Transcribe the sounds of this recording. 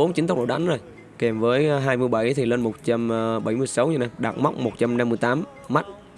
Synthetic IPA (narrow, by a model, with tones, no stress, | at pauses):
o˨˦mt͡ɕi˨˦nt̪ŋ͡m̚ɗ̰ɗa˨˦ŋzo˨˩j | kɛ˨˩mvəː˨˦jɦaː˧jmɨ˧əjɓa˧˩jt̪ʰi˨˩ləː˧nmo˨˩t̚t͡ɕa˧mːɓa˧˩jmɨ˧əjsa˨˦wɲə˧na˧˩jɗaː˨˩t̚ma˦˥k͡p̚mo˨˩t̚t͡ɕa˧mna˧mːɨ˧jt̪aː˨˦mː | a˦˥t̚